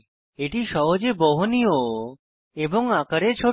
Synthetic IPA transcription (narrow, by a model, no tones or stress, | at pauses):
eʈiʃɔɦod͡ʑebɔɦonio | eboŋakaɾeɾt͡ɕʰo